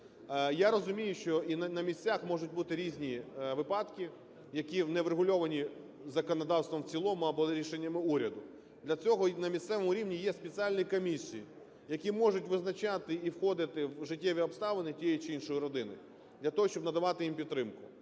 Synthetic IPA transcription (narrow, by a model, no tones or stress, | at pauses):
jaɾɔzʊmʲijʊʃt͡ʃɔinnɐmʲisʲt͡sʲaxmɔʒʊt̚ʲbut̪ɪɾʲizʲnʲiʋɪpɑd̪kʲi | jɐkʲinɛʋɾeɦʊlʲɔʋɐnʲi | zɐkɔnɐd̪ɑwst̪ʋɔmwt͡sʲilˠɔmʊɐbɔɾʲiʃenʲːɐmɪuɾʲɐd̪ʊ | d̪lʲɐt͡sʲɔɦɔnɐmʲist̪sɛʋɔmʊɾʲiʋnʲijɛspʲet͡sʲialʲnʲiikɔmʲisʲiji | jɐkʲimɔʒʊtʲʋɪznɐt͡ʃat̪ɪiwxɔd̪ɪt̪ɪwʒɪtʲːɛʋʲiɔbst̪ɑʋenʲɪtʲijɛjit͡ʃɪinʃɔjiɾɔd̪ɪnɪ̰ | d̪lʲɐt̪ɔɦɔʃt͡ʃɔbnɐd̪ɐʋɑt̪ɪjimpʲidt̪ːɾɪmkʊ